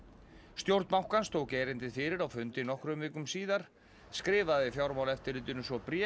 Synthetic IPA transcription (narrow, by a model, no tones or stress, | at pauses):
st̪jowɾt̪mawhkanst̪ʰoːwkejɾɪnt̪ɪfɪːɾɪɾawfʏnt̪ɪnɔhkɾʏmɪːkʏmsiːðaɾ̥ | skɾɪːvaððɪfjawɾmawlɛft̪ɪɾlɪːt̪ɪnʏsvɔpɾjɛ